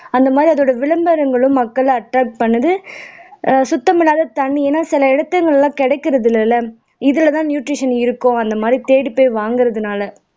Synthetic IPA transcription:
ɐnd̪ɐmaːd̪ɾiɐðoːɽɐʋɪɭɐmbɐɾɐŋɡɐɭɯmːɐkːɐɭɐʈɾaːk̚ʈ̚pɐɳːɐðɯ | sʊt̪ːɐmɪlaːðɐt̪ɐɳːieːnaːsɪlɐɛɽɐt̪ːɐŋɡɐɭlãːkɛɽɛɪkːɪɾɐðɪlɛlːɐ | ɪðɪlɐt̪ãːnjuːʈɾɪʂɐnɪɾɯkːõɐnd̪ɐmaːd̪ɾit̪eːɽipːoːʋaːŋɡɪɾɐðɯnaːlɐ

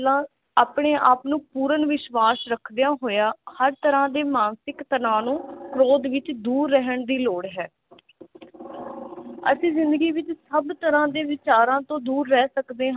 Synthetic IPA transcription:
lãː | aːpɳeːʔaːpnũːpuːɾənʋɪʃʋaːsɾəkʰd̪ejãːɦoːjaːhəɾt̪əɾãːd̪eːmaːnsɪkt̪əɾãːnũːkɾoːd̪ʋɪt͡ʃd̪uːɾːɛɦəɳd̪iːloːɽɦɛː | ə̰sĩːzɪ̃nd̪əɡiːʋɪt͡ʃsəbt̪əɾãːd̪eːʋɪt͡ʃaːɾãːt̪õːd̪uːɾːɛːsəkd̪eːɦ

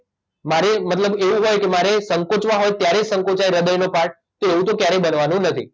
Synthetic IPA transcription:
maɾemət̪ləbeʋũɦojkemaɾesəŋkot͡ʃʋaɦojt̪jaɾed͡ʒsə̃ŋkot͡ʃajɾəd̪əjnopaʈ̚ | t̪oeʋũt̪̬okjaɾebənʋanũnət̪ʰḭ

